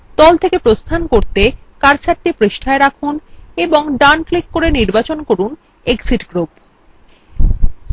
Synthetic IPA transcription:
t̪ɔlt̪ʰekepɾost̪ʰankoɾt̪ekaɾt͡ɕʰaʈ̚ːipɾeʃʈʰaeɾakʰuneboŋɖanklikːoɾeniɾbat͡ɕonkoɾun | eksiʈɡɾup

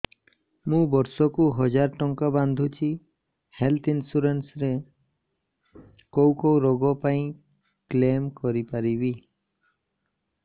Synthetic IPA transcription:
mũbɔɾsɔkuɦɔd͡ʒaɾʈɔŋkaband̪ʱut͡ʃʰi | helt̪ʰinsuɾensɾe | kowkɔwɾɔɡɔpaĩ | klemkɔɾipaɾibi

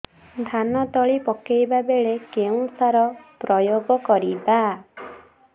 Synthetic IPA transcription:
d̪ʱanɔt̪ɔɭipɔkejbabeɭekeũsaɾɔpɾɔjoɡɔkɔɾiba

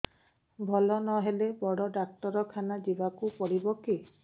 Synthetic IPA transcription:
bʱɔlɔnɔɦelebɔɽɔɖak̚ʈɔɾɔkʰanad͡ʒibakupɔɽibɔki

